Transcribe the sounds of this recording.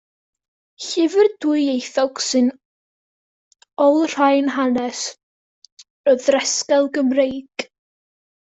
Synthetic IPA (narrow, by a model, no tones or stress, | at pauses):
çɪvɪrdujejθawksɪn | ɔwlˠr̥ajnɦanɛs | əðɾɛskɛlˠɡəmɾejɡ̥